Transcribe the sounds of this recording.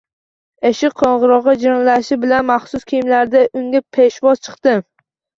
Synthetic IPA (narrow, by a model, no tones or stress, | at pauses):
eʃɪqʰːɒɴʁɨɾɒʁɨd͡ʒaŋlaʃɪbɪlanmaχsʊskʲʰijɪmlaɾd̪aʔʊŋɡʲapʰeʃvɒzt͡ʃʰɨ̥qt̪ɪm